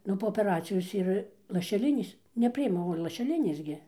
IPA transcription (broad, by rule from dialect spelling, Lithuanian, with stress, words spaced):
ˈnʊ poː oːpʲɛˈrɑːt͡sʲɪjoːs ɪr lˠɐʃʲɛˈlʲɪnʲeːs nʲɛˈpʲrʲɪɪmɐ oː lˠɐʃʲɛˈlʲɪnʲeːs ɡʲɪ